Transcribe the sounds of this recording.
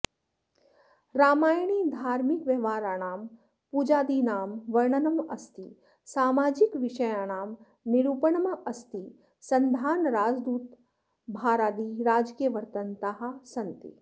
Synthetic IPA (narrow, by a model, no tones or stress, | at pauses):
ɾaːmaːjɳ̃iːd̪ʱaːɾmikʋɐʋaːɾaːnaːm | puːd͡ʒaːd̪inaːmʋɐɾɳɐnɐmɐst̪i | saːmaːd͡ʒikʋɪʃɐjaːnaːmː | iɽupəɳɐmɐʔɐst̪i | sɐnd̪ʱaːnɾaːd͡ʒd̪uːt̪ | bʱaːɾaːd̪iɾaːd͡ʒkijəʋəɾt̪ənt̪aɦasɐnt̪ḭ